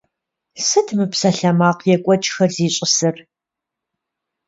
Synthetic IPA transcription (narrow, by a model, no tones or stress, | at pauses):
sɨtʰmɨpsɐɬɐmaːqjɛkʷʼɔt͡ʃʼxɐrziːɕʼɪsɨr